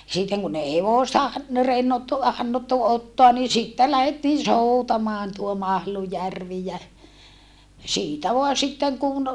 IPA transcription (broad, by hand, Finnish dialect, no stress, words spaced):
sitːeŋ kun ei heʋoˑstɑ ɑn no renːotːu hɑnːotːu otːoɑ ni sitːel læhetːiːn̞ soutɑmɑːn tuo mɑhlujærʋi jæ siːtæ ʋoɑ sitːeŋ kun